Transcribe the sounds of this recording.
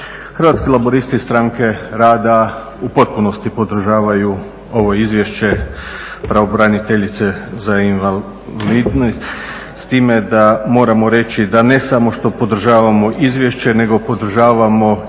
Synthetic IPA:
xr̩ʋat̪skelabo̞ɾist̪ist̪ɾaŋke̞ɾaːd̪a | upo̞t̪̚puno̞st̪ipo̞d̪r̩ʒaːʋaju | o̞ʋo̞izʋje̞ʃt͡ɕe̞ | pɾaobɾanit̪eʎit̪se̞zainʋa | liːd̪nost̪ | st̪iːme̞d̪amo̞ːɾamo̞ɾe̞t͡ɕid̪ane̞samo̞ʃt̪o̞po̞d̪r̩ʒaːʋamo̞ʔizʋje̞ʃt͡ɕe̞ne̞ɡo̞po̞d̪r̩ʒaːʋamo̞

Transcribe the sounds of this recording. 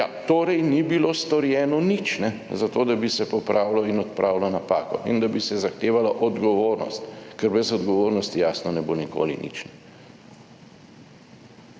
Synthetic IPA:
ja̰t̪oːɾɛjnibiloːst̪ɔɾjɛːnɔnit͡ʃnɛzat̪oːd̪abisɛpɔpɾʔaːwlɔinɔt̪pɾʔaːwlɔnapaːkɔ̰ʔind̪abisɛzaxt̪eːʋalaʔɔd̪ɡɔʋoːɾnɔ̰st̪kɛɾbɛzɔd̪ɡɔʋoːɾnɔst̪ijaːsnɔnɛboniko̰ːlḭnḭt͡ʃnɛ

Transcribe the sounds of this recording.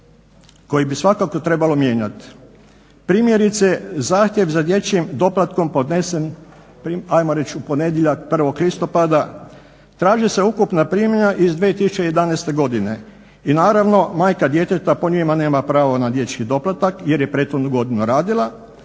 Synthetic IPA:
ko̞jibisʋakako̞t̪ɾe̞balo̞mje̞ːɲat̪ | pɾiːmje̞ɾit̪sezaːxt̪ʲjeʋzad̪je̞t͡ʃimd̪o̞plat̪ko̞mpo̞d̪nesen | piajmoɾe̞t͡ʃupo̞ne̞d̪jeʎakpr̩ʋo̞klist̪o̞pad̪a | t̪ɾaːʒise̞ukupnapɾiːmɲaʔizd̪ʋiːt̪isut͡ʃejed̪aneːst̪e̞ɡo̞d̪ine̞ | inaːɾaʋno̞maːjkad̪je̞t̪et̪apo̞ɲimane̞ːmapɾaːʋonad̪je̞t͡ʃkid̪o̞plat̪akje̞ɾje̞pɾe̞t̪xod̪nuɡo̞d̪inuɾaːd̪ilˠa

